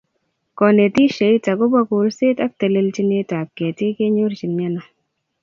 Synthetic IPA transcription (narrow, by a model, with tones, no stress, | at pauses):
kɔ˨ne˨ti˦ʃe˨˦jta˨kʊ˦ba˦˧ku˨lse˦ta˦k̚te˨le˧lt͡ʃi˧ne˧ta˨k̚kːɛ˨ti˦ke˦ɲo˦ɾt͡ʃi˨nɲa˦na˨